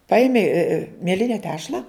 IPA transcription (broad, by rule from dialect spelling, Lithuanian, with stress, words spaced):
ˈpɐɪmʲɪ mʲiɛˈlʲɪnʲɛ ˈtʲæːʃlˠɐ